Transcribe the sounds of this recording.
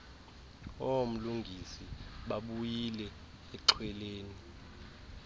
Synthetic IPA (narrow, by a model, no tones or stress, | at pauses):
om̩luŋɡʱisiɓaɓujilɛ | ɛǁʰwɛleːni